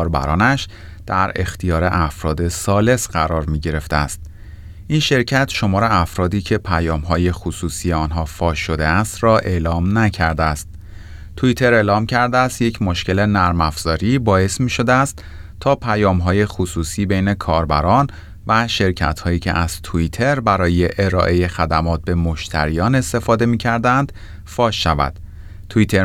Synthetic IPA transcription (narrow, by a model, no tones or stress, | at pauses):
ɾbæ̰ɾɒːnæʃ | d̪̥æɾe̞̰xt̪ʰijɒːɾe̞ʔæfɾɒːd̪e̞sɒːle̞sɢæɾɒːɾmiːɟe̞ɾe̞ft̪eæ̰st̪̚ | ʔinʃe̞ɾcʰæt̪ʃo̞mɒːɾeæfɾɒːd̪iːcʰe̞pʰæjɒːmɦɒːje̞xusuːsiːje̞ɒːnɦɒːfɒːʃo̞d̪e̞æst̪rɒːʔe̞lɒːmnæcʰæɾd̪eæst̪̚ | t̪ʰuit̪ʰe̞ɾeːlɒːmcʰæɾd̪eæst̪je̞cʰmoʃce̞le̞næɾmæfz̥ɒːɾiːbɒːje̞smiːʃo̞d̪eæst̪ | t̪ʰːɒːpʰæjɒːmɦɒːje̞xusuːsiːbejne̞kʰɒːɾbæɾɒːn | væʃe̞ɾcʰæ̰t̪hɒːjiːcʰe̞̰ʔæz̥t̪ʰuit̪ʰe̞ɾbæɾɒːje̞ʔeɾɒ̰ːʔe̞je̞xæd̪æmɒːt̪̚be̞moʃt̪ʰæ̰ɾijɒːne̞st̪e̞fɒːd̪e̞miːcʰæɾd̪ænd̪̥ | fɒːʃːævæ̰d̪̥ | t̪ʰuit̪ʰeɾ